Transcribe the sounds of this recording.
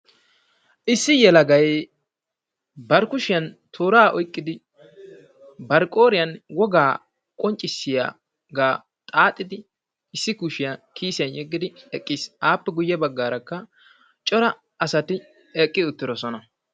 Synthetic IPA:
ʔɪsːɪjɛlɐɡɐj | bɐɾkʊʃɪjɐnt̪ʰoːɾaːʔɔjkʼːɪd̪ɪ | bɐɾkʼo̞ːɾɪjɐnwɔɡaː | kʼɔnt͡ʃʼːɪsːɪja̰ː | ɡaː | t̪ʼaːt̪ʼːɪd̪ɪ | ɪsːɪkuʃɪjakʰiːsɪjɐnjɛɡːɪd̪ɪɛkʼːiːsʔaːpːɛɡʊjːɛbɐɡːaːɾɐkːɐ | t͡ʃʼɔɾɐ | ɐsɐt̪ɪ | ɛkʼːɪʊt̪ːɪd̪ɔsɔnɐ

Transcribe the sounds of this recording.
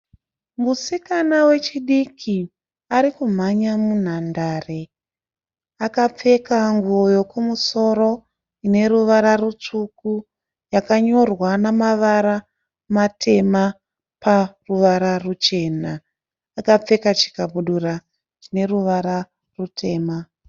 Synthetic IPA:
musikanawe̞t͡ʃiɗikʰi | aɾikum̤aɲamun̤andaːre̞ | akap͡fe̞kaŋɡuojo̞kumuso̞ɾo̞ | ine̞ɾuʋaɾarut͡ʂuku | jakaɲo̞rwanamaʋaɾa | matʰe̞ma | paruʋaɾarut͡ʃe̞ːnaː | kap͡fe̞kat͡ʃi̥kaɓuɗura | t͡ʃine̞ruʋaɾa | rutʰe̞ːma

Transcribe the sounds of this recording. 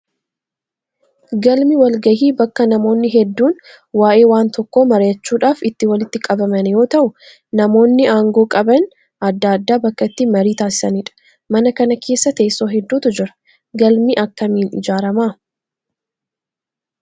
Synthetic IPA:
ɡɐlmiwɐlɡɐhiːbɐkːɐnɐmo̞ːnːɪɦɛd̪ːuːn | waːʔe̞ːwaːnt̪ɔkːo̞ːmɐɾejɐt͡ʃːuːᶑaːfɪt̪ːɪwɐlɪt̪ːɪkʼɐbɐmɐnjo̞ːt̪ɐʔʊ | nɐmo̞ːnːɪaːŋɡoːkʼɐbɐn | ʔɐd̪ːaːd̪ːaːbɐkːɐt̪ːɪmɐɾiːt̪aːsɪ̥sɐniːᶑɐ̥ | mɐnɐkɐnɐkʰe̞ːsːɐt̪eːsːo̞ːɦɛd̪ːuːt̪ʊd͡ʒɪɾɐ̥ | ɡɐlmiːʔɐkːɐmiːnɪ̰d͡ʒaːɾɐmaː

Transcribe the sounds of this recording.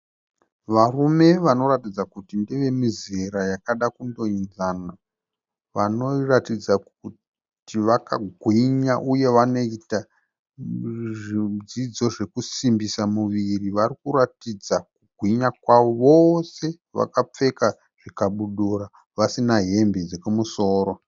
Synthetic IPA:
ʋarume̞ʋano̞ɾatid͡zakutindeʋe̞mizeɾajakaɗakundo̞inzaːna | ʋano̞ratid͡za | u | tiʋakaɡʱwiɲaʔuje̞ʋano̞ita | id͡zid͡zo̞ʐe̞kusimbisamuʋiriʋarikuratid͡zakuɡʱwiɲakwaoʋo̞se̞ | ʋa̰kap͡fe̞ka | ʐ̥ikaɓuɗura | ʋasinaɦe̞mbed͡zekumuso̞ːɾo̞

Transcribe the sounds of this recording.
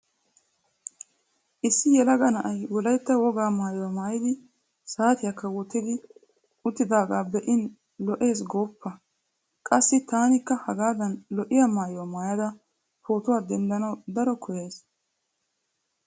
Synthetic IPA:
ʔɪsːɪjɛlɐɡɐnɐʔɐjwɔlɐjt̪ːɐwɔɡaːmaːjʊwamaːjɪd̪ɪ | saːt̪ɪjɐkːɐwɔt̪ːɪd̪ɪ | ʔʊt̪ːɪd̪aːɡaːbɛʔɪn | lɔʔe̞ːs̬ɡoːpːɐ | kʼɐsːɪt̪aːnɪkːɐhɐɡaːd̪ɐnlɔʔɪjamaːjʊwamaːjɐd̪ɐ | po̞ːt̪ʊwaːd̪ɛnd̪ɐnɐwd̪ɐɾɔkʰɔjeːs

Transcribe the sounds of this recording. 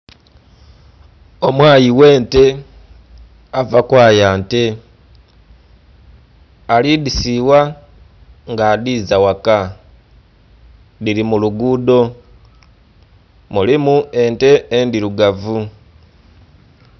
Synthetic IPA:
o̞mwaːjiwe̞ːnte̞ | avakwaːjaːnte̞ | alidisiwa | ŋɡadizawaka | dilimuluɡudo̞ | mulimue̞nte̞ːndiɾuɡavu

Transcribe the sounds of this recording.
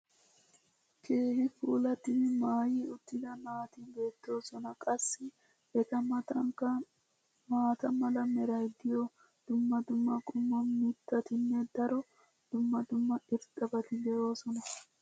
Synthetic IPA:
kʰe̞ːhɪfuːlɐt̪ːɪnɪmaːjiːʊt̪ːɪd̪ɐnaːt̪iːbe̞ːt̪ːo̞ːsɔnɐkʼɐsːɪ | ɛt̪ɐɐŋkɐ | maːt̪ɐmɐlɐmɛɾɐjd̪ɪjɔ | d̪̥ʊmːɐd̪ʊmːɐkʼʊmːɔnmɪt̪ːɐt̪ɪnːɛd̪ɐɾɔ | d̪̥ʊmːɐd̪ʊmːɐɪɾt̪ʼɐbɐt̪ɪd̪ɛʔo̞ːsɔnɐ

